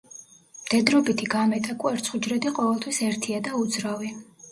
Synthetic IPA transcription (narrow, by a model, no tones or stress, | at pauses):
md̪̥ɛd̪ɾɔbit̪ʰiɡamɛt̪ʼakʼwɛɾt̪sʰχud͡ʒɾɛd̪iqʼɔvɛlˠt̪ʰwisɛɾt̪ʰiad̪aud̪zɾavi